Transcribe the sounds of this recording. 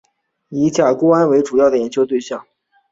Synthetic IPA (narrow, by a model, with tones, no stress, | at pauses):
i˧˥t͡ɕja˨˩ko˥ʊa˥nwe˧˥ɪʈ͡ʂu˨˩jɑ˥˩ʊd̪ə˩jɛ˨˥nt͡ɕʰjo˥ʊt̪we˥˧ɪɕjɑ˥˩ŋ